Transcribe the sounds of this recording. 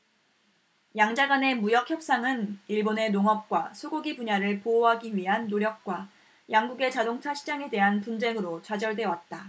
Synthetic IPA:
jaŋd͡ʑaɡwane̞mujʌk̚ʰçjʌp̚s͈aŋɯniɭbone̞noŋʌp̚k͈wasʰoɡuɡibuɲaɾɯɭpooɦaɡiɥiɦanːoɾjʌk̚k͈wa | jaŋɡuɡe̞t͡ɕadoŋt͡ɕʰaɕʰid͡ʑaŋe̞de̞ɦanpund͡ʑe̞ŋɯɾot͡ɕad͡ʑʌɭdwe̞wat̚t͈a

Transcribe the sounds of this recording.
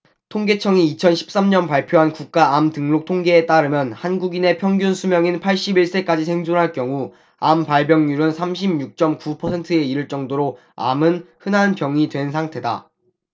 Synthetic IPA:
tʰoŋɡe̞t͡ɕʰʌŋiːt͡ɕʰʌnɕʰi̥p̚s͈amɲʌnpaɭpʰjoɦankuk̚k͈aamtɯŋlok̚tʰoŋɡe̞ːt͈aɾɯmjʌnhanɡuɡine̞pʰjʌŋɡjunsʰumjʌŋinpʰaɭɕ͈ibiɭs͈e̞k͈ad͡ʑisʰe̞ŋd͡ʑunɦaɭk͈jʌŋu | ampaɭbjʌŋɲuɾɯnsʰamɕ̬ʰibɲuk̚t͡ɕ͈ʌmkupʰʌsʰe̞ntʰɯe̞iɾɯɭt͡ɕ͈ʌŋdoɾo | a̰mɯnhɯnɦanpjʌŋidwe̞nsʰaŋtʰe̞da̰

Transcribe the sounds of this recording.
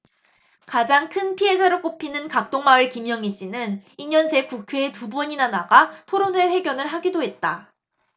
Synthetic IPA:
kad͡ʑaŋkʰɯnpʰiɦe̞sʰaɾok͈opʰinɯnkak̚t͈oŋmaɯɭkimjʌŋiɕ͈inɯniɲʌnsʰe̞kukʰeːtubʌɲinanaɡatʰoɾonwe̞ɸwe̞ɡjʌnɯɭɦaɡidoɦe̞t̚t͈a

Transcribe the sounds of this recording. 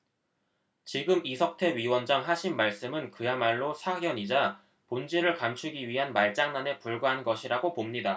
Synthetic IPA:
t͡ɕiɡɯmisʰʌk̚tʰe̞ɥiwʌnd͡ʑaŋɦaɕʰinmaɭs͈ɯmɯnkɯjamaɭːosʰaɡjʌɲid͡ʑa | pond͡ʑiɾɯɭkamt͡ɕʰuɡiɥiɦanmaɭt͡ɕ͈aŋnane̞puɭɡaɦanɡʌɕʰiɾaɡopomɲida

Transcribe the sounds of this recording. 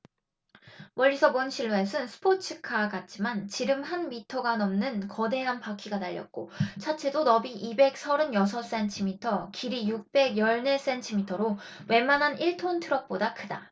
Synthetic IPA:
wʌʎːisʰʌbonɕʰiɭːoesʰɯnsʰɯ̥pʰot͡ɕʰɯkʰaɡat̚t͡ɕ͈imant͡ɕiɾɯmhanmitʰʌɡanʌmnɯnkʌde̞ɦanpakʰiɡanaʎːʌ̰t̚k͈ot͡ɕʰat͡ɕʰe̞donʌbiʔibe̞k̚sʰʌɾɯnjʌs̬ʰʌs͈e̞ntʰimitʰʌkiɾijuk̚p͈e̞ɡjʌɭne̞s͈e̞ntʰimitʰʌɾo | we̞manɦaniɭtʰontʰɯɾʌk̚p͈odakʰɯda

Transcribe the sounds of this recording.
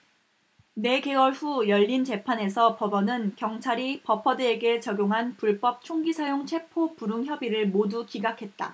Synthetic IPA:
ne̞ɡe̞wʌɭɸujʌʎːint͡ɕe̞pʰane̞sʰʌpʌbʌnɯnkjʌŋt͡ɕʰaɾipʌpʰʌdɯe̞ɡe̞t͡ɕʌɡjoŋɦanpuɭp͈ʌp̚t͡ɕʰoŋɡisʰajoŋt͡ɕʰwe̞pʰopuɾɯŋçjʌbiɾɯɭmodukiɡakʰe̞t̚t͈a̰

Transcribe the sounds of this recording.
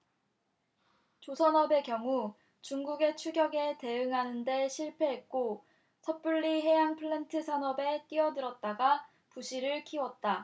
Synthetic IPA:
t͡ɕosʰʌnʌbe̞kjʌŋu | t͡ɕuŋɡuɡe̞t͡ɕʰuɡjʌɡe̞te̞ɯŋɦanɯnde̞ɕʰiɭpʰe̞ɦet̚k͈o | sʰʌp͈uɭːiɦe̞jaŋpʰɯɭːentʰɯsʰʌnʌbe̞k͈iʌdɯɾʌt̚t͈aɡa | puɕʰiɾɯɭkʰiwʌt̚t͈a

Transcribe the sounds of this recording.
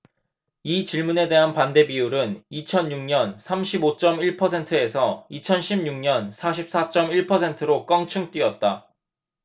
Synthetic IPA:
it͡ɕiɭmune̞de̞ɦanpande̞biuɾɯnit͡ɕʰʌnjuŋɲʌnsʰamɕʰibot͡ɕ͈ʌmiɭpʰʌs̬ʰe̞ntʰɯe̞sʰʌit͡ɕʰʌnɕʰimɲuŋɲʌnsʰaɕʰip̚s͈at͡ɕ͈ʌmiɭpʰʌsʰe̞ntʰɯɾok͈ʌŋt͡ɕʰuŋt͈wiʌt̚t͈a

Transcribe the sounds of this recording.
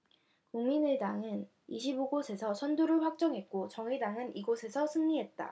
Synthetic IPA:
kuŋminedaŋɯn | iɕʰiboɡosʰe̞sʰʌsʰʌnduɾɯɭɸwak̚t͡ɕ͈ʌŋɦe̞t̚k͈ot͡ɕʌŋedaŋɯniɡosʰe̞sʰʌsʰɯŋɲiɦe̞t̚t͈a̰

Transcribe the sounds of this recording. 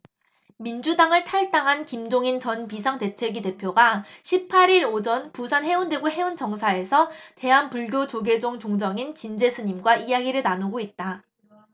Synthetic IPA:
mind͡ʑudaŋɯɭtʰaɭt͈aŋɦankimd͡ʑoŋint͡ɕʌnpisʰaŋte̞t͡ɕʰwe̞ɡide̞pʰjoɡaɕʰipʰaɾiɾod͡ʑʌnpusʰanɦe̞undwe̞ɡoɦe̞unt͡ɕʌŋsʰae̞sʰʌte̞ɦanpuɭɡjot͡ɕoɡe̞d͡ʑoŋt͡ɕoŋd͡ʑʌŋint͡ɕind͡ʑe̞sʰɯɲimɡwaijaɡiɾɯɭnanuɡoit̚t͈a

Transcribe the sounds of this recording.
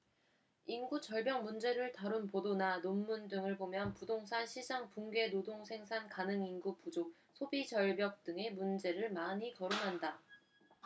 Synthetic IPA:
inɡut͡ɕʌɭbjʌŋmund͡ʑe̞ɾɯɭtaɾunpodonanomːundɯŋɯɭbomjʌnpudoŋsʰanɕʰid͡ʑaŋpuŋɡe̞nodoŋsʰe̞ŋsʰankanɯŋinɡupud͡ʑok̚ | sʰobit͡ɕʌɭbjʌk̚t͈ɯŋe̞mund͡ʑe̞ɾɯɭmaɲikʌɾunɦanda

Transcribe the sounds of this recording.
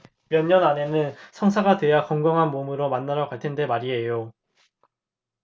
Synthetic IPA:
mjʌɲːʌnane̞nɯnsʰʌŋsʰaɡadwe̞jakʌŋɡʌŋɦanmomɯɾomanːaɾjʌkwaɭtʰende̞maɾie̞jo

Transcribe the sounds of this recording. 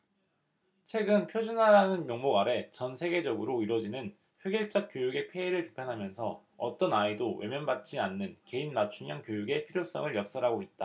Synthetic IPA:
t͡ɕʰwe̞ɡɯnpʰjod͡ʑunɦaɾanɯnmjoŋmoɡaɾe̞t͡ɕʌnsʰe̞ɡe̞d͡ʑʌɡɯɾoiɾwʌd͡ʑinɯn | ɸweɡiɭt͡ɕ͈ʌk̚k͈jojuɡe̞pʰe̞iɾɯɭpi̥pʰjanɦamjʌnsʰʌ | ʌ̰t͈ʌnaedowe̞̰mjʌnbat͡ɕ͈ianːɯnke̞inːat͡ɕʰuɲjaŋkjojuɡe̞pʰiɾjos͈ʌ̰ŋɯɭjʌk̚s͈ʌɾɦaɡoit̚t͈a

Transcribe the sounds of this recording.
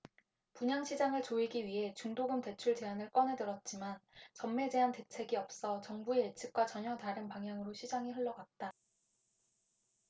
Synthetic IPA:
puɲaŋɕʰid͡ʑaŋɯɭt͡ɕoiɡiɥiɦe̞t͡ɕuŋdoɡɯmte̞t͡ɕʰuɭt͡ɕe̞anɯɭk͈ʌne̞dɯɾʌt̚t͡ɕ͈imant͡ɕʌmmːe̞d͡ʑe̞ɦante̞t͡ɕʰe̞ɡiʌp̚s͈ʌt͡ɕʌŋbueːt͡ɕʰɯk̚k͈wat͡ɕʌɲʌtaɾɯnpaŋɦjaŋɯɾoɕʰid͡ʑaŋiɸɯɭːʌɡat̚t͈a

